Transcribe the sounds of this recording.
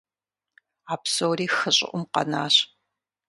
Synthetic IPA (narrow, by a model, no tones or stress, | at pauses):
aːpsowɾiːxɨɕʼɪ̰ʔʷʊmqɐ̰naːɕ